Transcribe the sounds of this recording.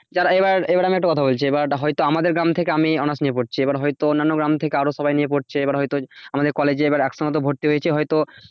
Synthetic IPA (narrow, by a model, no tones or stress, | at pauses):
d͡ʑaɾebaɾebaɾamiɛk̚ʈakɔt̪ʰabolt͡ɕʰiebaɾɦɔjt̪oamad̪eɾɡɾamt̪ʰekeamiɔnasnijepoɾt͡ɕʰiebaɾɦɔjt̪oonːanːoɡɾamt̪ʰekeaɾoʃɔbajniep̬oɾt͡ɕʰeebaɾɦɔjt̪oamad̪eɾkɔled͡ʑebaɾɛkʃɔnot̪obʱoɾt̪iɦojet͡ɕʰeɦɔjt̪o